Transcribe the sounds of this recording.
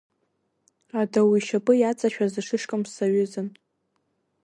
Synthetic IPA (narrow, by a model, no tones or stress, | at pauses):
adawiʃapʼɨjat͡sʼaʃᶣazɨʂʰɨʂkʼɨmsaɥʊzɨn